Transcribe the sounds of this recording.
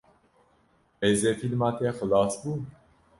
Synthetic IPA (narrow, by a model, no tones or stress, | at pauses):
ɛzɛfilmat̪ɛxlɑsbu